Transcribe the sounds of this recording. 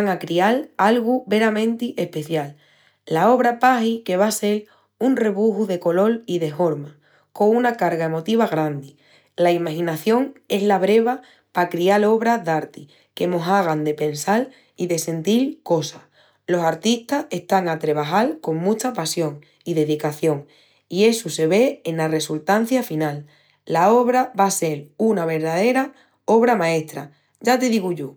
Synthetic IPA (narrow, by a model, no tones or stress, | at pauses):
ŋakɾialalɣuβe̞ɾamẽnt̪iʔe̞hpe̞θjalː | ao̞β̞ɾapahike̞β̞ase̞l | unre̞βuɦuðe̞ko̞lo̞liðe̞ɦo̞ɾma | ko̞unakaɾɣae̞mo̞t̪iβ̞aɣ̞ɾãnd̪i | laimaxĩnaθjo̞ŋe̞zlaβɾe̞βa | pakɾialo̞βɾaðaɾt̪i | ke̞mo̞ɦaɣ̞and̪e̞pe̞nsal | iðe̞se̞nt̪ilko̞sa | lo̞saɾt̪iht̪ase̞ht̪aŋat̪ɾe̞β̞aɦalko̞ŋmũt͡ʃapasjo̞ŋ | iðe̞ðikaθjo̞ŋ | ie̞suse̞βe̞ːnlare̞sult̪an̟θjafinalː | ao̞β̞ɾaβase̞lunaβe̞ɾðaðe̞ɾa | o̞βɾamãe̞ht̪ɾa | ɟ͡ʝat̪e̞ðiɣuʝo